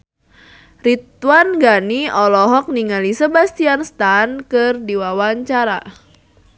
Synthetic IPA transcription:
rit̪wanɡaniɔlɔɦɔk̚niŋalisəbast̪ianst̪ankɨrdiwawaɲt͡ʃaɾa

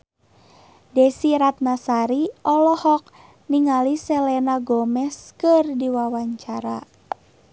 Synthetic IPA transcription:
dɛsiɾat̪̚nasaɾiɔlɔhɔk̚ | niŋalisɛlɛnaɡɔmɛskɨrdiwawaɲt͡ʃaɾa

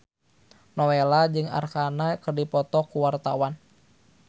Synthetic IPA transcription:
nɔwelad͡ʒɨŋa̰rkanakərdipɔt̪ɔkuwart̪awan

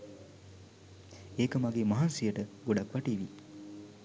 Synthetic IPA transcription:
eːkəmaɡeːmɐɦansijəʈəɡoɖakʋaʈiːʋi

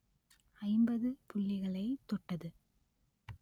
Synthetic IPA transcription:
ɐɪmbɐðɯpʊlːɪɣɐɭɐɪt̪ɔʈːɐðɯ

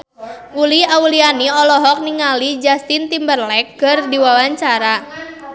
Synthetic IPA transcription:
uliaulianiɔlɔɦɔk̚niŋalid͡ʒast̪int̪imbərlɛk̚ɡ̥ərdiwawaɲt͡ʃaɾa

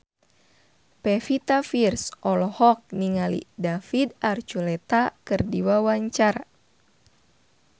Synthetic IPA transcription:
pɛfit̪afirsɔlɔhɔk̚niŋalḭdafidart͡ʃulɛt̪akɨrdiwawaɲt͡ʃara

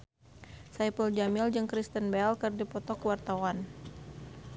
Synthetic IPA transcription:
sajpəld͡ʒamild͡ʒɨŋkɾist̪ənbɛlkɨrdipɔt̪ɔkwart̪awan

